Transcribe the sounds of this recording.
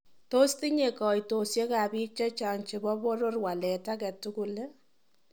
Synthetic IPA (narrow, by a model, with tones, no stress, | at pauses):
to˦sti˦ɲe˨kɔ˨jto˨sje˦ka˨bi˦k̚t͡ʃa˦t͡ʃa˨ŋt͡ʃe˨bɔ˦bo˦ɾo˦rwa˨lɛ˨ta˦kɛ˨tu˦ku˨le˦